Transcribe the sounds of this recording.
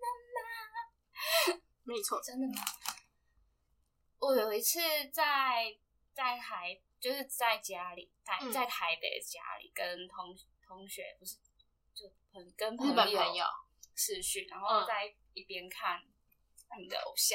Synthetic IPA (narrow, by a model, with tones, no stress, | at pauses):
mə˥˩nma˧ | ni˨˩t͡sʰo˨˩ʊt͡sə˥nd̪ə˨ma˩ | wɔ˨˩jo˨˩ʊi˧˥t͡s̩ʰ˥˧t͡sa˥˩ɪ | t͡sa˥˩ɪt̪ʰa˨˧˦ɪt͡ɕjo˥˧ʊʂɻ̩˥˧t͡sa˥˩ɪt͡ɕja˦li˨˩˦t͡sa˥˩ɪt͡sa˥˩ɪt̪ʰa˧˦˥ɪpḛ˨˩ɪdə˨t͡ɕja̰˥lḭ˨˩kə˦nt̪ʰʊ˧˦ŋt̪ʰʊ˧˦ŋɕɥɛ̰˧˥˦po˧ʂ̩˥˩ | t͡ɕo˥˩ʊpʰə˨˦kə˦npʰə˥˨˦ə˨˦ə˨˦njo̰˨˩ʊ | ʈ͡ʂʰɻ̩˥˧ɕy˥˨na̰˧nxo˥˧ʊt͡sa˥˩ɪ | i˥˩pjɛ˦˥nkʰa˥˨n | i˨˩d̪ə̰˧ʔo̰˨˩ʊɕjɑ˥˩